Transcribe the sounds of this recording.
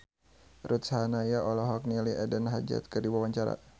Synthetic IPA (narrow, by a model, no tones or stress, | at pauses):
ɾut̪shanajaɔlɔɦɔk̚niliɛdənɦad͡ʒa̰t̪̚kərdiwawaɲt͡ʃaɾa̰